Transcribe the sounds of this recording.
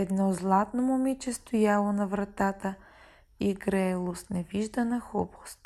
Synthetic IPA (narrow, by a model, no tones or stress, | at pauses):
ɛd̪nɔzlˠat̪nomʊmit͡ʃɛst̪ʊjalˠonɐvɾɐt̪at̪ə | iɡɾɛlˠost̪nɛviʒd̪ənɐxɔbo̥st̪